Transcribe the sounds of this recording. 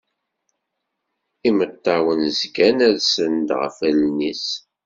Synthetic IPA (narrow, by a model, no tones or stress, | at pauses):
imət̪ːɑwənzkænæɾsənd̪ʁə̰fælnis